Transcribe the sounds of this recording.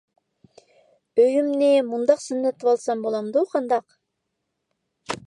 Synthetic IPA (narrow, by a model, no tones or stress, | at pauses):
øjymnɪmund̪ɑqsynːet̪βɑlˠsɑmbolˠɑmd̪uqʰɑnd̪ɑq